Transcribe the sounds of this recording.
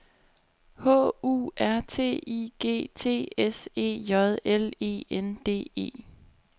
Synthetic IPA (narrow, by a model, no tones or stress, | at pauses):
hɔ̰̽ːṵːæɐt͡sʰe̝̰ːiɡ̥e̝̰ːt͡sʰe̝̰ːese̝̰ːjɒðˠele̝̰ːend̥e̝̰ːe̝̰ː